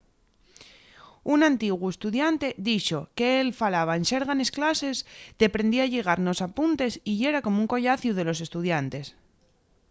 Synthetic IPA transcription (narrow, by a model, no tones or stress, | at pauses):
unãnt̪iɣwe̞st̪uðjant̪e̞ðiʃo̞ke̞elfalaβ̞aenseɾɣane̞sklase̞zd̪̥e̞pɾe̞nd̪iaʎe̞ɣ̞aɾno̞sapunt̪e̞siʝe̞ɾako̞mouŋko̞ʎaθjuð̞e̞lo̞s̬e̞st̪uðjant̪e̞s